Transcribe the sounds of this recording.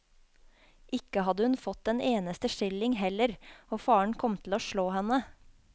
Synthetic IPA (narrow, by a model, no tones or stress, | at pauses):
ʔɪkəhɑd̪əhʉnfɔt̪̚d̪ɛneːnəst̪əʃɪlɪŋhɛləɾoːfɑːəɳkʰɔmt̪ʰl̩oːʃɭoːhɛnə